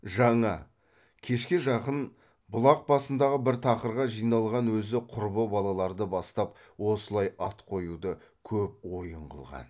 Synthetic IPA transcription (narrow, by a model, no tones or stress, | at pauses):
ʒɑɴɑ | kʲʰe̞ʃkʲɪʒɑqən | bʊlˠɑq̚bɑsənd̪ɑʁəbɪɾt̪ʰɑqəɾʁɑʒijnɑlˠʁɑnwɵzɪqʰʊɾbəbɑlˠɑlˠɑɾd̪əbɑst̪ɑp̚ | wo̞səlˠɑjɑt̪qʰo̞jud̪ə | kʲʰɵp̚wo̞jəɴʁə̰lˠʁɑ̰n